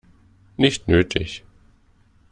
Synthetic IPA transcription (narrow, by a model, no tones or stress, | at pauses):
nɪçtnøːtʰɪ̰ç